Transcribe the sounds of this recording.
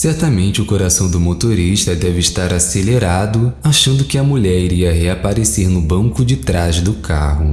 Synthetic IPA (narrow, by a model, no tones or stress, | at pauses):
sɛɾt̪ɐmẽnt͡ʃɪʊkoɾasɐ̃w̃d̪ʊmot̪oɾiʃt̪ɐd̪ɛvɪːʃt̪aɾaseleɾad̪ʊaʃɐ̃nd̪ʊkɪɐmuʎɛɾiɾiɐɦeapaɾeseɾnʊbɐ̃ŋkʊd͡ʒɪt̪ɾazd̪ʊkʰa̰hʊ